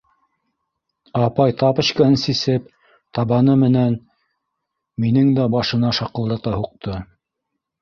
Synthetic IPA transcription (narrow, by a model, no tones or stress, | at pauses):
ɑpɑjt̪ɑpɤ̆ɕkɑɤnsisɘp | t̪ɑβɑnɤmɘ̆næn | minɘŋd̪æbɑʃɤ̆nɑʃɑqɤ̆lˠd̪ɑt̪ɑhuq̚t̪ʰɤ